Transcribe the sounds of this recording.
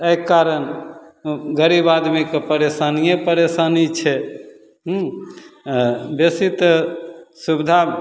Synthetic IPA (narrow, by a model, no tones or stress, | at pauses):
ejkaɾən | ɡəɾibad̪mikepəɾesanijẽpəɾesanit͡ʃʰɛ | ɦ | besit̪ | subd̪ʱa